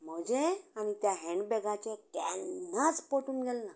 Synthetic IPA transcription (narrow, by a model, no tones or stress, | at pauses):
m̤əd͡ʑeañit̪jaɦeɳɖbɛɡat͡ɕekɛnnat͡spoʈuːnɡʱelna